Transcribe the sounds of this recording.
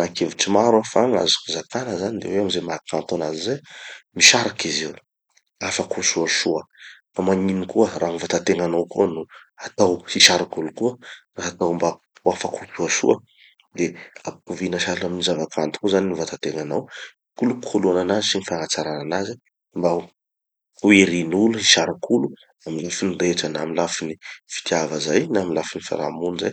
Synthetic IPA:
nakevit͡simaɾwafaŋa̰zi̥kuzakanəzanid̪ḛweamizemakʰant̪anazizemiʃaɾakizi | afakuʃuaʃuəfamaɲinikuəɾaŋuvat̪at̪eŋanawkuənu | at̪awhiʃaɾikulukuəraɦat̪awmba | uafakʰukuaʃṵə | d̪eapu̥kuvinaʃalaminizavakʰant̪u̥kuzaninivat̪at̪eŋanaw | kuluku̥kʰoluananazisinifaŋat͡saɾananazi | mba | uiɾinulusiʃaɾakʰulu | amilafinireʈ͡ʂənamilafinifi̥t̪ʰjavəzajnaːmilafinifa̰ɾa̰muniza̰j

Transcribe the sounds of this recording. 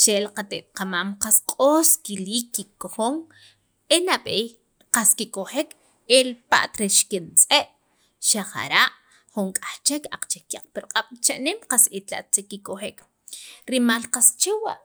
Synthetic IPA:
t͡ʃelqat̪eʔt̪̚qamaːmqasqʼoːskiliːkːikoχoŋ | enaɓej | qaskikoχek | elpa̰ʔt̪ɾeʃkint͡sʼeʔ | ʃaχa̰ɾaʔ | χuŋkʼaχt͡ʃekaq͡χt͡ʃekːaq͡χpiɾqʼaɓ̥t͡ʃaʔnemqasit̪la̰ʔt̪ekikoxek | ɾimalqast͡ʃewa̰ʔ

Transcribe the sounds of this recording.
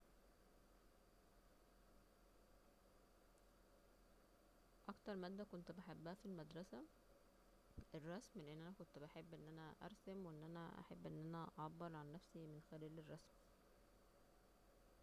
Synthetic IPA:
ʔɑkt̪ɑɾˤmæd̪ːækont̪baħebːæhæfilmæd̪ɾˤɑsæ | erˤːɑsmliʔenːʔænækont̪baħebːʔenːʔænæʔɑ̰ɾˤsæmweʔenːʔænæʔæ̰ħabːʔenːʔænæʔɑʕɑbːeɾˤʕanːæfsimenxælæːlerˤːɑsm

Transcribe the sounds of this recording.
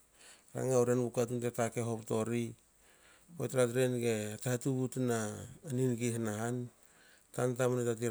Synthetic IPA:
ɾa̰ŋauɾenbukatuntetake̞ɦo̞pto̞ɾi | otɾatɾenɡe̞atahatuβutnaːninɡiɦanaɦan | tant̬amnetat̬i

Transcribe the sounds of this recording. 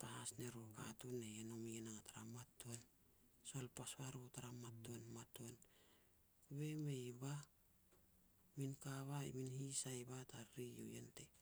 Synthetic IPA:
pahasneɾoka̰tuneenomienaŋataɾamatːon | solpasβaɾotaɾamatːonmaton | kuβe̞mejba | minkaβaḭminhisajbataɾɾijo̰jḛnte

